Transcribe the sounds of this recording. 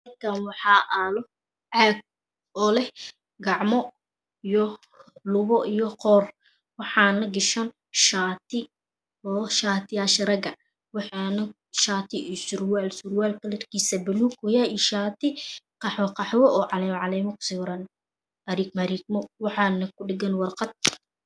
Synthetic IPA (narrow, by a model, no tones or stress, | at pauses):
mɐkʰanwɑħɑːʔaːlɔ | ʕaːɡ̚ | ɔːlɛ | ɡɑʕmɔ | ijɔ | lʊβɔʔijɔqɔːr | wɑħɑːnɐɡɪʃɐn | ʃaːt̪ʰɪ | ɔːʃaːt̪ʰɪaʃɐɾɐɡɐ | wɑħɑnɐ | ʃaːt̪ʰɪsʊɾwaːlsʊɾwaːlkɐlɐrkʰiːsɐbɐluːkʰʊjaiʃaːt̪ʰɪqɑħwɐqɑħwɔʔɔːʕɑlɛːmʕɑlɛːmɐkʊ̥sɪwɾɐn | ɐɾikmɐɾiɡ̚mɔwɑħɑːnɐkʰʊɖɪɡɐnwɑrqɑd̪̚